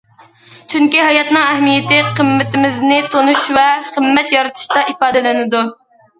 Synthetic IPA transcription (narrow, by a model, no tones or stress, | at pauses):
t͡ʃʰyŋkʲiɦɑjɑt̪nɨŋɛhmijɪt̪ɪqʰəmːɪt̪ʰɪmɪznɪt̪ʰonuʃvɛχəmːɛt̪jɑɾɨt̪ʰɨ̥ʃt̪ɑʔipɑːd̪ɨlɪnɪd̪u